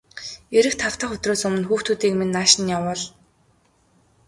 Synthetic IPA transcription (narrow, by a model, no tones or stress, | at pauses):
eɾɘ̆kt̪ʰaw̥t̪əːχxɵt̪roːsɵmɵ̆nxuːxt̪uːt̪iːkmenːaːʃɪ̆njawə̆ːɮ